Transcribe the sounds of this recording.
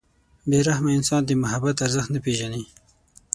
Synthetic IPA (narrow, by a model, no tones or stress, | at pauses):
beɾahmaɪnsɑnd̪əmʊɦabat̪aɾzəxt̪napeʒani